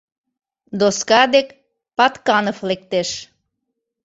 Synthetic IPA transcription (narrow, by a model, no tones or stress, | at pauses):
d̪oskɑd̪ek | pɑt̪kɑnoflek̚t̪eʃ